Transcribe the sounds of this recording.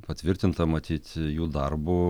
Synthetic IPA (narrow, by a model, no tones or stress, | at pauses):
pɐt̪ʲʋʲɪɾʲt̪ʲɪnt̪ɐmɐt̪ʲiːt̪ʲjuːd̪ɐrbʊ